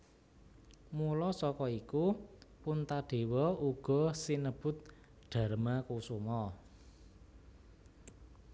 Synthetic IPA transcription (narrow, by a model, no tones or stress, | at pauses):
mulɔsɔkɔikupʊnt̪aɖ̥e̤wɔuɡ̥ɔ̤sinəb̥ʊ̤t̪̚ | ɖ̪̥ä̤ɾmakusumɔ